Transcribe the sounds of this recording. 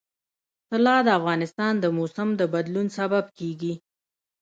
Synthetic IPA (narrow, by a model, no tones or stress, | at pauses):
t̪əlɑd̪əafɣɑnɪst̪ɑnd̪əmosamd̪əbad̪lunsabab̚keɡi